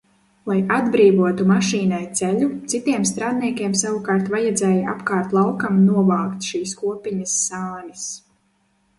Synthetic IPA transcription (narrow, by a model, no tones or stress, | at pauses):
lˠajad̪bɾiːvuɔt̪umaʃiːnajt̪sɛlut̪sit̪iɛmst̪ɾaːd̪̚niɛkʲiɛmsavukaːɾt̪vajad̪zɛːja̰pkaːɾt̪lˠawkamnuɔvaːkt̪ʃiːskuɔpiɲɐsːaːnis